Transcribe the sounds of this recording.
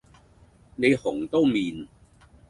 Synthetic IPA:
ne˨˧jhʊ˨˩ŋt̪o˥wmiː˨n

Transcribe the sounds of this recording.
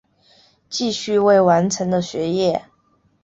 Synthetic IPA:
t͡ɕi˥˧ɕy˥˧we˥˩ɪwa˧˥nʈ͡ʂʰɤ˧˥ŋd̪ə˧ɕɥɛ˧˥jɛ˥˩

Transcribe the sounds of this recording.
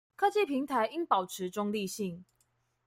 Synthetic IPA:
kʰɤ˥t͡ɕi˥˨˩pʰi˨˧˥ŋt̪ʰa˧˦ɪi˥ŋpɑ˨˩ʊʈ͡ʂʰɻ̩˨˥ʈ͡ʂʊ˥ŋli˥˧ɕi˥˩ŋ

